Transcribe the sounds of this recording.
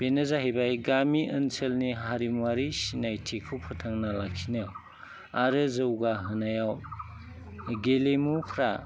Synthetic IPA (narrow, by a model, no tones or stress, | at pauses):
b̥enɯzaɦejbajɡamiʔɯnselniɦaɾimwaɾisinajtʰekʰupʰɯtʰaŋnalakʰinew | aɾɯzɯwɡaɦɯnajaw | ɡelemupʰɾa